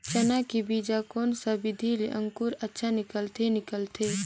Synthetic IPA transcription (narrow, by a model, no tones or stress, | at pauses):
t͡ʃənakibid͡ʒakoːnsabɪd̪ʱileʔə̃ŋkuɾətːʃʰanɪkəlt̪ʰenɪkəlt̪ʰe